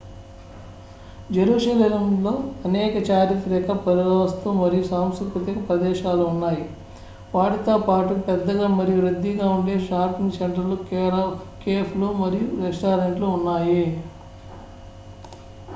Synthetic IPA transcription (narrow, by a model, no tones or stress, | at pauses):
d͡ʒeɾuːʂɐleɐmlo̞ːɐnɛːkɐt͡ʃaːɾit̪ɾɛːkɐpɐɾiɾɐːɐst̪umɐɾijusaːmskɾukɾut̪ikɐpɾɐd̪ɛːʃaːluunːaːji | ʋaːʈit̪o̞ːpaːʈupɛd̪ːɐɡaːmɐɾijuɾɐd̪ːiɡaːuɳɖe̞ːʃaːɾpiŋɡseɳʈɐlukːkeːplumɐɾijuɾesʈaːɾeɳʈluunːaːji